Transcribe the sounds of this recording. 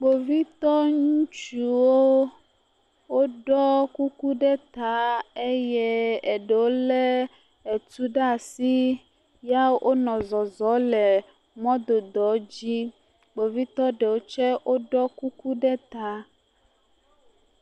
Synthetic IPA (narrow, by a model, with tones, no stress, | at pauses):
ɡ͡bo˨vi˦t̪ɔ˦ŋũ˦t͡ʃu˨wo˦ | wo˦ɖɔ˦ku˦ku˦ɖɛ˦t̪a˨˦e˦jɛ˦e˨ɖe˨wo˦le˦ | e˨tu˦ɖa˦˨si˦ | ja˦ʔo˦nɔ̃˨zɔ˨zɔ˨˦lɛ˨ | mɔ̃˦d̪o˨d̪ɔ˨˦d͡ʑi˦ | ɡ͡bo˨vi˦t̪ɔ˦ɖe˨wo˦t͡ʃɛ˦ʔo˦ɖɔ˦ku˦ku˦ɖɛ˦t̪a˨˦